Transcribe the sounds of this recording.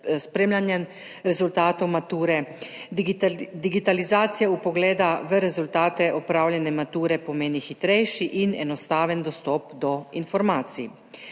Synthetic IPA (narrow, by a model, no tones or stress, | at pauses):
spɾeːmlʲjanjɛ | ɾɛzult̪aːt̪owmat̪uːɾɛ | d̪iɡit̪alizaːt̪sijaupɔɡlɛːd̪aʋəɾɛzult̪aːt̪ɛʔɔpɾaːwlʲjɛnɛmat̪uːɾɛpɔmeːnixit̪ɾɛjʃiʔinɛ̰nɔst̪aːʋənd̪ɔst̪ɔːpd̪ɔinfɔɾmaːt̪si